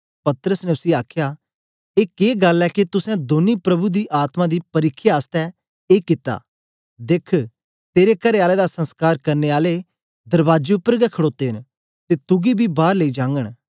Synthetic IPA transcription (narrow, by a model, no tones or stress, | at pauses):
pɐt̪ɾəsnɛ̃ʊsiaːkʰjaː | eːkeːɡəlːɛːkit̪ʊsɛ̃d̪oːnipɾɐbud̪iːʔaːt̪mãd̪iːpɐɾɪkʰːjaːst̪ɛ | eːkɪt̪a̰ː | d̪ɪkʰ | t̪eːɾekəɾeaːled̪asə̃nskaːɾkɐɾneːaːle | d̪əɾbaːd͡ʒeʊpːəɾɡɛkʰəɽoːt̪eːɦɪn | t̪eːt̪ʊɡibʱiːbaːɾleiːd͡ʒãːŋɡəɽ̃